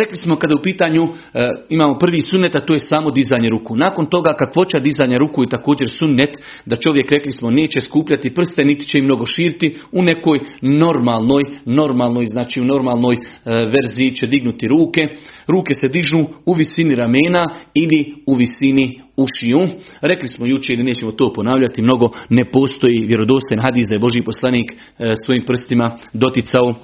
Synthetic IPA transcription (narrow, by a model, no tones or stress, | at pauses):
ɾe̞klismo̞kad̪jeupiːt̪aːɲu | imaːmo̞pr̩ʋiːsunːet̪at̪oːje̞saːmo̞d̪izaːjɲeɾukunaːko̞nt̪o̞ɡaːkakʋo̞t͡ɕad̪izaːjɲaɾukuːjet̪ako̞ːd͡ʑe̞ɾsunːet̪ | d̪at͡ʃo̞ʋje̞kɾe̞klismo̞ne̞ːt͡ɕe̞skuːpʎʲat̪ipr̩st̪e̞nit̪i̥t͡ɕe̞imno̞ɡo̞ʃiːɾit̪iune̞ko̞ːjno̞ɾmaːlˠno̞ːjno̞ɾmaːlˠno̞ːjznaːt͡ʃiːuno̞ɾmaːlˠno̞ːjʋe̞ɾziːt͡ʃe̞d̪iɡnut̪iɾuːke̞ɾuːke̞se̞d̪iʒnuːuʋisiniɾameːnailiuʋisiniuʃiju | ɾe̞klismo̞jut͡ʃeilineːt͡ɕe̞mo̞t̪o̞ːpo̞naːʋʎat̪imno̞ɡo̞ne̞po̞ːst̪o̞jiːʋje̞ɾo̞d̪o̞ːst̪ojenɦad̪iːsd̪ajebo̞ʒjiːpo̞slˠaniːk | sʋo̞jiːmpr̩st̪imad̪o̞t̪jɪt̪sao